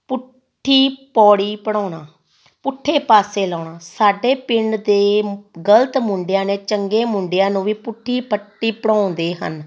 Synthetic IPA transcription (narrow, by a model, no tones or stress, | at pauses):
pʊ | ʈʰːiːpɔːɽiːpəɽ̃ɔ̃ːɳaː | pʊʈʰːeːpaːseːlɔːɳãːsaːɖeːpɪɳɖd̪eːɡələt̪mʊɳɖɪjãːneːt͡ʃəŋɡeːmʊɳɖɪjãːnũːʋiːpʊʈʰːiːpʰəʈːiːpəɽɔ̃ːnd̪eːɦə̰n